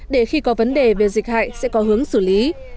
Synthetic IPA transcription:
ɗe˧˩xi˧kɔ˨˦və˨˦nɗe˨˩ve˨˩zï˨˩k̟̚ha̰ː˧˨jsɛ̰˧˥kɔ˨˦ɦɨ˨˦əŋsɨ˧˩li˨˦

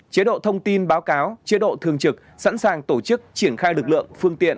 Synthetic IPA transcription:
t͡ɕe˨˦ɗo̰˧˨t̪ʰə˧wŋ͡mt̪i˧nɓaː˨˦wkaː˨˦wt͡ɕe˨˦ɗo̰˧˨t̪ʰɨ˨˩əŋt͡ɕɨ˨˩k̚sa̰˧˥nsaː˨˩ŋt̪o˧˩t͡ɕɨ˦˥k̚t͡ɕi˧˩ənxaː˧jlɨ˨˩k̚lɨ̰˧˨əŋfɨ˧əŋt̪ḭ˧˨ən

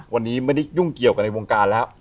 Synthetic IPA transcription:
wa˧nːiː˦˥ma˥˩jda˥˨˩ju˥˩ŋki˨˩əwka˧nːa˧jwoː˧ŋkaː˧nlɛː˦˥w

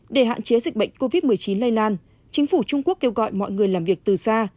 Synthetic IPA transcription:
ɗe˧˩ɦa̰ː˧˨nt͡ɕe˨˦zï˨˩k̟̚ɓə̰˧˨jŋ̟ko˧vi˦˥t̚mɨ˨˩əjt͡ɕi˨˦nlaː˧jlaː˧n | t͡ɕï˨˦ŋ̟fu˧˩t͡ɕʊ˧ŋ͡mku˦˥əkːe˧wɣɔ̰˧˨jmɔ̰˧˨jŋɨ˨˩əjlaː˨˩mvi˨˩ək̚t̪ɨ˨˩saː˧

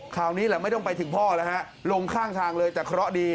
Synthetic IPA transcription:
kʰaː˨˩wniː˦˥lɛː˨˩˦ma˥˩jt̪ɔ˥˩ŋpa˧jt̪ʰɯ˩˦ŋpʰɔː˥˩la˦˩ha˦˥ʔ | lo˧ŋkʰaː˥˩ŋt̪ʰaː˧ŋlɤː˧jt͡ɕaː˨˩kʰɾɔ˦˥diː˧

